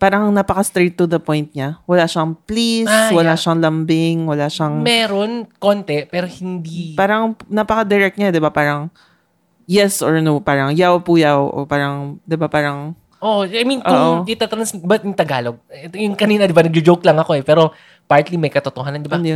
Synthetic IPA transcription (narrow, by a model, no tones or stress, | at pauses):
paːɾɐŋnapɐkɐst̪ɾejt̪ːʊd̪ɐpojnt̪̚ɲawɐlaːʃɐŋpliswɐlaʃɐŋlɐmbɪŋwɐlaʃɐŋmɛːɾonkont̪ɛpɛːɾohɪnd̪ipaːɾɐŋnaːpɐkɐd̪ɛɾɛk̚t̪ɲad̪ɪbapaːɾɐŋ | jɛsɔɹnopaːɾɐŋjawpuːjawʔo̰paːɾɐŋd̪ɪbapaːɾɐŋ | ʔoʔajmĩnʔoʊʔɪt̪at̪ɾɐnsbɐt̪jʊŋt̪ɐɡaːloɡ̚ɛtjʊŋkɐniːnɐd̪ɪbanɐɡ̚d͡ʒʊd͡ʒowklɐŋɐko̞ɛpɛːɾo̞ | paɹt̪limɐjkɐt̪ʊt̪ohaːnɐnd̪ɪbanjʊn